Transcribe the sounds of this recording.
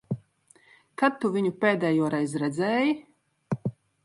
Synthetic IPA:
kat̪ːuvʲiɲupʲeːd̪ʲɛːjuɔɾɛjzɾɛd̪zʲɛːji

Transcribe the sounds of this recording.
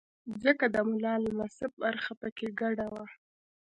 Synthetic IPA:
zəkad̪əmʊlɑlamasɪb̚baɾxapəkeɡaɽawa

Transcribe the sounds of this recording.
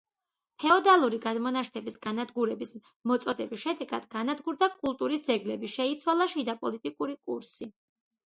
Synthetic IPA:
pʰɛɔd̪alˠuɾiɡad̪mɔnaʃt̪ʰɛbisɡanad̪ɡuɾɛbis | mɔt̪sʼɔd̪ɛbisʃɛd̪ɛɡad̪̥ɡanad̪ɡuɾd̪akʼulˠt̪ʼuɾisd̪zɛɡlɛbiʃɛit̪sʰwalˠaʃid̪apʼɔlit̪ʼikʼuɾikʼuɾsi

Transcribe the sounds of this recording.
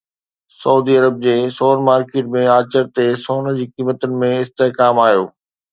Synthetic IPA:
sɐuːd̪iɐɾəb̚d͡ʑeːsoːnmaːɾkeːʈmẽaːt͡ɕəɾt̪esoːnd͡ʑiːkiːmət̪ʊnɪ̆mẽɪst̪eɦkaːmaːjoː

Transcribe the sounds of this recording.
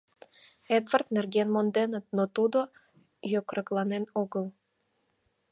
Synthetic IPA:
ed̪vərt̪nerɣenmond̪enət̪̚not̪ud̪o | jokrɾɤklɑnenoɣəl

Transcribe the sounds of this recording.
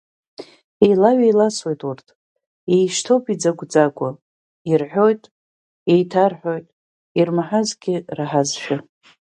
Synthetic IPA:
ejlaɥejlaswejtʼurtʰ | ejʃtʰo̞pʰid͡zaɡʷʼd͡zakʷʼa | irħʷᶣo̞jtʼ | ejtʰarħo̞jtʼ | irmaħazɡʲɪraħazʃᶣa

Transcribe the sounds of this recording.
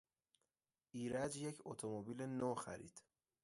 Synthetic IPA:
ʔiːɾæd͡ʒjecʰot̪ʰomobiːlenoːxæ̰ɾḭːd̪̥

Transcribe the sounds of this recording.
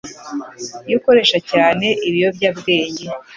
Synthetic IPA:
juko̞ɾe̞ʃacaːne̞ʔiβijo̞bɟabɡe̞ːɲe̞

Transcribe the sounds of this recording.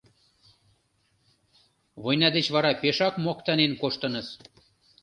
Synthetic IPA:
βojnɑd̪et͡ɕβɑɾɑpeʃɑkmokt̪ɑnenkoʃt̪ə̆nɤ̆s

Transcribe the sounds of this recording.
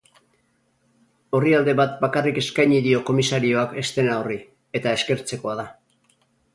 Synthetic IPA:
o̞riald̪e̞βat̪̚bakarike̞skajɲiðio̞ko̞misaɾio̞ake̞st̪e̞naori | e̞t̪ae̞ske̞ɾt͡se̞ko̞að̞a

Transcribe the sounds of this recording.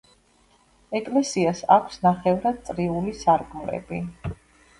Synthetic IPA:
ɛkʼlɛsiasakʷʰsnaχɛvɾad̪̥̚t̪sʼɾiulisaɾkʼmlɛ̰bi

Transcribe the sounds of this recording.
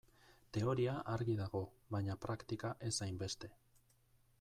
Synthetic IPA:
t̪e̞o̞ɾiaʔaɾɣið̞aɣo̞βajɲapɾakt̪ikaʔe̞sajmbe̞st̪e̞

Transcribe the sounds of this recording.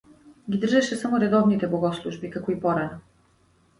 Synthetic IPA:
ɡʲid̪r̩ʒɛʃɛsamoɾɛd̪ɔvnit̪ɛbˠɔɡɔslˠuʒbikakɔipɔɾɛna

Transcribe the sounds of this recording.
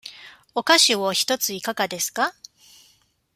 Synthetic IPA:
o̞kaɕiβoçi̥t̪o̞t͡sɨikaɡad̪e̞sɨ̥ka

